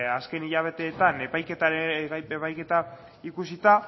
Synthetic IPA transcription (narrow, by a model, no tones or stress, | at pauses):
aske̞niʎaβ̞e̞t̪e̞ːt̪anepajket̪aeepajke̞t̪a | ikusit̪a